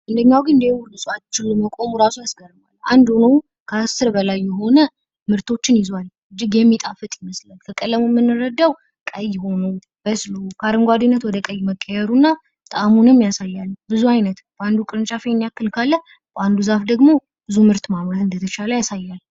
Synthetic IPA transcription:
ʔɨnd̪əɲːawɡɨnɨnd̪ewlɨsʼat͡ʃːɪlːəməkʼo̞muɾasujasɡəɾbaland̪onəw | kʰəasɨɾbəlajːɛɦo̞nə | mɨɾt̪ʰo̞t͡ʃːɪnjɪzal | ɨd͡ʒːɪɡjɛmːit̪ʼafɨt̪ʼjɪməslalkʰəkʼəlːəmumːɨnːɨɾəd̪ːaw | kʼəjɪho̞nəw | b̥əslukʰəaɾɨŋɡʷad̪inːət̪wɔd̪əkʼəjːməkʼːəjɛɾunːa | t̪ʼamunɨmːjasajːalːbɨzuajnət̪b̥əʔand̪ukʼɨɾɨnt͡ʃʼafenːjakːɨlkʰalːə | bʔand̪uzafd̪əɡmo̞ | b̥ɨzumɨɾt̪mamɾat̪ɨnd̪ət̪ʰət͡ʃaləjasajːal

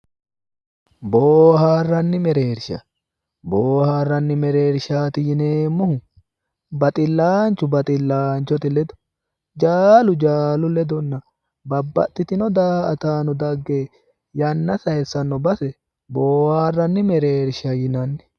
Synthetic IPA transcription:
boːhaːrːɐnːɪmɛɾe̞ːɾʃɐ̰ | boːhaːrːɐnːɪmɛɾe̞ːɾʃaːt̪ɪjɪneːmːɔhʊ | bɐt̪ʼɪlːaːnt͡ʃːʊbɐt̪ʼɪlːaːnt͡ʃːɔt̪ɪlɛd̪ɔ̥ | d͡ʒaːlʊd͡ʒaːlʊlɛd̪ɔnːɐ | bɐbːɐ̰t̪ʼːɪt̪ɪnɔd̪aːɐt̪aːnɔd̪ɐɡːeː | jɐnːɐsɐjɛsːɐnːɔbɐsɛ | boːhaːrːɐnːɪmɛɾeːɾʃɐjɪnɐnːɛ̥

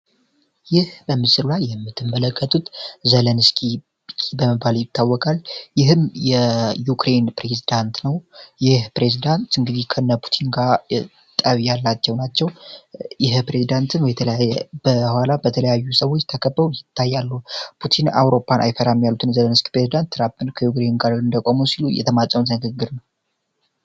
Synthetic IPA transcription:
jɪhbəmːɨsɨɾulajːɛmːɨt̪ʰːɨmːələkʰːət̪ʰʼut̪zələnskʰi | kʰibəməβaljɪt̪ːawːɔkʼaljɪɦɨmjɛjukʰɾe̞npɾezid̪ant̪nəwjɪhpɾe̞zid̪ant̪ɨŋɡɨd̪ihkʰənːapʰu̥t̪ʰinɡa | t̪ʼəβijalːat͡ʃːɛwnat͡ʃːɛwjɪɦpɾe̞zid̪ant̪ʰɨnwjɛt̪ʰb̥əhʷalabət̪ʰələjajːusəwo̞t͡ʃːt̪ʰəkʰəbːəujɪt̪ʰːajːalːupʰut̪ʰina̰wɾo̞pʰːanʔa̰jfəɾamjalːut̪ʰɨnzələnɨski̥pɾe̞zid̪ant̪ːɾampɨnkʰəjukɾe̞nnɡaɾɨnd̪əkʼomusilujɛ̰t̪ʰəmat͡ʃʼːəmut̪nɨɡɨɡːɨɾnəw

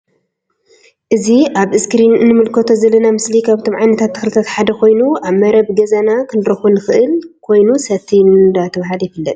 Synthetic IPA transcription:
ʔɨziʔaβɨskɾinnɨmɨlkʰot̪ʰo̞zɐlɐnamɨslikʰaβɨt̪ʰo̞mʕajnɐt̪ʰat̪ːɨ̥xlɨt̪ʰat̪ħad̪ɐkʰo̞jnuʔaβmɐɾɐβɡɐzanakʰɨnɨɾɐxunɨxɨʔɨlkʰo̞jnusɐt̪ʰinɨnd̪at̪ʰɐβɦaljɪfɨlːɐt̪ʼ

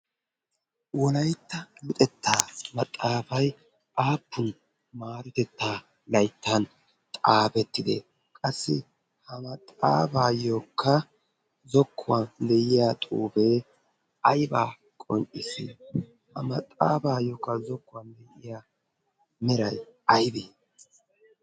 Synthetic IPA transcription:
wɔlɐjt̪ːɐlʊt̪ʼɛt̪ːaːmɐt̪ʼːaːbɐj | ʔaːpːʊn | maːɾɔt̪ɛt̪ːaː | lɐjt̪ːɐn | t̪ʼaːbɛt̪ːɪd̪ḛ | kʼɐsːɪ | hɐmɐt̪ʼːaːbaːjoːkːɐ | zɔkːʊwad̪ɛjɪjaːt̪ʼuːbeː | ʔɐjbaː | kʼɔŋʔʼɪsɪ̰ | hɐmɐt̪ʼːaːbaːjoːkːɐzɔkːʊwand̪ɛjɪjaː | mɛɾɐjɐjd̪i

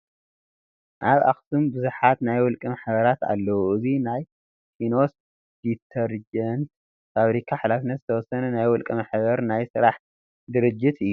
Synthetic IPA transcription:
ʔaβʔa̰xsumbɨzuħat̪najwɔlkʼimaħbɐɾat̪a̰lːɐwuɨzinaj | kʰino̞s | d̪it̪ʰɐɾd͡ʒɛn | faβɾikʰaħalafnːɐt̪zɨt̪ʰɐwɔsɐnɐnajwɔlkʼimaħbɐɾnajsɨɾaħ | d̪ɨɾɨd͡ʒːit̪ʰɨjːu

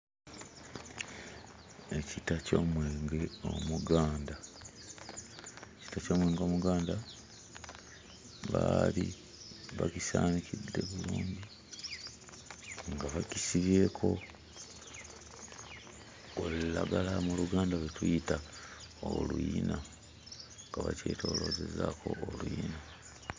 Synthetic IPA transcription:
e̞citaco̞ːmweːŋɡe̞o̞̰muɡaːnda | eci̥taco̞ːmwe̞ːŋɡo̞ːmuɡaːnda | βali | βakisaːnicʰidːe̞βuluːɲɟi | ŋɡaβacisiβe̞ːkʰo̞ | ollaɡalamuluɡaːndalwetujitaolujina | ŋɡaβa̰ce̞̰ːtʰo̞ːlo̞ːze̞zakʰo̞̰ːluina

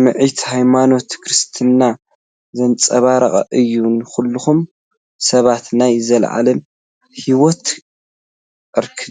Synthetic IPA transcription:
mɨʕit̪hajmano̞t̪kʰɾɨst̪ʰɨnːa | zɐnt͡sʼɐβaɾɐ̰χʼɐ̰ʔɨjːunxulːuxum | sɐβat̪najzɐlʕa̰lɐm | hiwot̪ | ɨɾkʰɨ

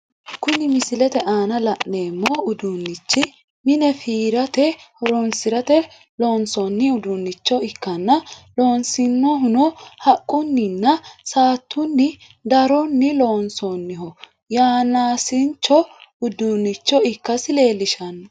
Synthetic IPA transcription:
kʊnɪmɪsɪlɛt̪ɛʔaːnɐlɐʔːe̞ːmːɔʊd̪unːɪt͡ʃːɪ | mɪnɛfiːɾɐt̪ɛhɔɾɔnsɪɾɐt̪ɛ | lo̞ːnsɔnːɪʊd̪ʊnːɪt͡ʃːɔɪkːɐnːɐlo̞ːnsɪnːɔɦʊnɔhɐkʼːʊnːɪnːɐsaːt̪ʰːʊnːɪ | d̪ɐɾɔnːɪloːnsɔnːɪɦɔ | jaːnaːsɪnt͡ʃːɔʊd̪unːɪt͡ʃːɔɪkːɐsɪle̞ːlːɪʃɐnːɐ

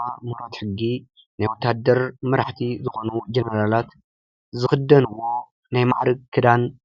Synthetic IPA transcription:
amuɾat̪ħɨɡːi | najwɔt̪ʰːad̪ːɐɾmɨɾaħt̪ʰizɨxo̞nud͡ʒɐnɐɾalat̪ | zɨxɨd̪ːɐnwːo̞ | najma̰ʕɾɨɡkʰːɨd̪an

